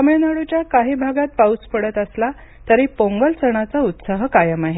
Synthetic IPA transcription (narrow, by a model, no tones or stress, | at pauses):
ameɭnaɽut͡ɕjakaɦiːbʱaɡat̪̚pauspəɽət̪əsla | t̪əɾiːpoŋɡəlt͡səɳ̃at͡saut̪saɦəkajəmaɦe